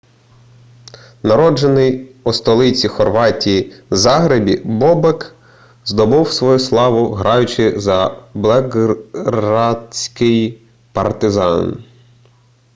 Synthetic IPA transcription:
nɐɾɔd͡ʒenɪjust̪ɔlˠɪt͡sʲixɔrʋɑtʲijizɑɦɾebʲibɔbek | zd̪ɔbɪwsʋɔjuslˠɑʋʊɦɾɑjʊt͡ʃɪzɐblˠɛɡɾɑsʲkɪj | pɐ̰rt̪ɪzɑn

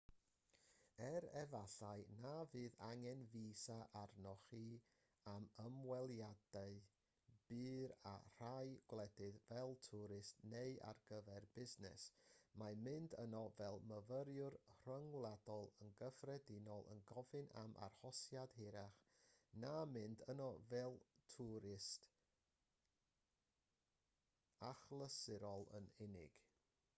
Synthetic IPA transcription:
ɛɾɛvaɬaɨnavɨːðaŋɛnviːsaʔarnɔχi | aməmwɛlˠjadaɨ | b̥ɨːɾa̰r̥ajɡ̥wlˠɛdɨðvɛlˠtʰuɾɨsneɨa̰rɡəvɛrbɪznɛ̰smamɪndənɔvɛlˠməvəɾjʊrr̥əŋwlˠadɔlˠənɡəfrɛdɪnɔlˠʔə̰nɡɔvɨna̰mʔa̰rhɔsjad̥hɪɾaχnamɪndənɔvɛlˠtʰuɾɪst | aχlˠəsɪɾɔlˠə̰nɪnɪ̰ɡ̥

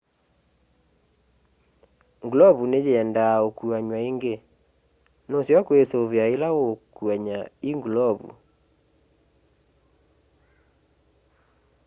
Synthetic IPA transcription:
ŋɡulɔβuned͡ʒeɛndaokuaɲwaeŋɡe | nosjɔkwesoβjaelaokwaɲaiŋɡlɔβṵ

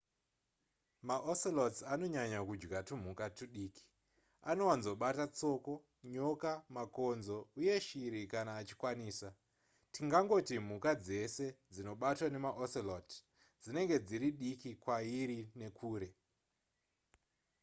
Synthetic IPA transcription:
maʔoselotano̞ɲaɲakud͡ʒɡatum̤ukatuɗiːki̥ | ano̞wanzo̞ɓatat͡so̞ko̞ | ɲo̞kamako̞nzo̞uje̞ʃiɾikanaːt͡ʃi̥kwaniːsa | tiŋɡaŋɡo̞tim̤ukad͡ze̞se̞d͡zino̞ɓatwane̞maʔoselot | d͡zine̞ŋɡe̞d͡ziɾiɗikikwaiɾine̞kʰuːɾe̞

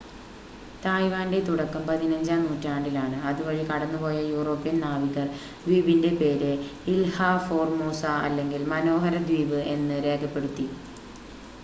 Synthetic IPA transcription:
t̪aːjʋaːnde̞t̪uɽɐkːɐmpɐðinɐɲd͡ʑaːmnuːtːaːɳɖilaːɳɨɐðuʋɐɻikɐɽɐnːɨpo̞ːjɐjuːro̞ːpːijɐnnaːʋiɣɐr | d̪ʋiːbinde̞pe̞ːɾɨilhaːfo̞ːrmoːsaɐlːe̞ŋɡilmɐno̞ːɦɐɾɐd̪wiːʋɨe̞nːɨɾe̞ːkʰɐpːe̞ɽut̪ːi

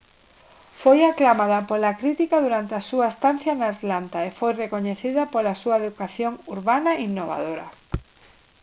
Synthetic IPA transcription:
fojaklamaðapolakɾit̪ikaðuɾant̪easuaest̪an̟θjanaːt̪lant̪aefojrekoɲeθiðapolasuaeðukaθjoŋuɾβanainːoβa̰ðoɾa̰

